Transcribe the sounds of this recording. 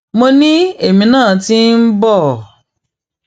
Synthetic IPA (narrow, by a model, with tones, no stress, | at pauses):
mo˧nĩ˦e˦˨mĩ˨nãː˦˨ti˦n̩˦bɔ˦˨